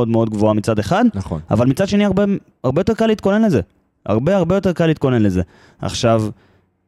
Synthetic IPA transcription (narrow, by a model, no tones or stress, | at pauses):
od̪meo̞d̪̚ɡvoamit͡sad̪eχad̪nχa̰valmit͡sad̪ʃe̞niaʁbe | aʁbejo̞t̪e̞kalit̪ko̞ne̞nleze̞ | a̰ʁbe̞aʁbejo̞t̪e̞ʁkaliːt̪̚ko̞ne̞nleze̞ | a̰χʃav